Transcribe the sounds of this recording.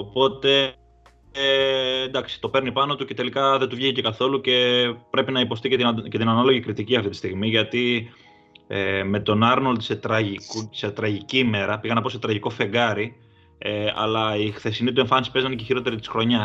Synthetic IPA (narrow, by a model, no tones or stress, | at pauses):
opo̞t̪e̞ | nd̪ɐksi̥t̪o̞pe̞ɾnipɐno̞t̪uce̞t̪e̞likɐðet̪uvʝiçice̞kɐθo̞luce̞pɾe̞pinɐipo̞st̪icece̞t̪inɐnɐlo̞ʝikɾit̪iciɐft̪it̪ist̪iɣmiʝɐt̪i | eme̞t̪o̞nɐɾno̞lt̪i̥set̪ɾɐʝikset̪ɾɐʝicime̞ɾɐpiɣɐnɐpo̞se̞t̪ɾɐʝiko̞fe̞ŋɡɐɾi | eɐ̰lɐixθe̞sinit̪ue̞ɱfɐnisi̥pe̞znɐneceçiɾo̞t̪e̞ɾit̪i̥sxɾo̞ɲɐ